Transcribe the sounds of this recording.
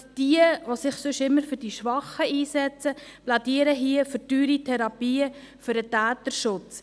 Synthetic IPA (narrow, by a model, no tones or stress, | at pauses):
d̥iəʋosɪχsʏʃɪmːəɾfʏɾd̥iʃʋɑχəiːsɛt͡səpladiəɾəɦiəfəɾtyːɾitʰɛɾɑpiːə | fʏɾətæːt̪əɾʃʊt͡s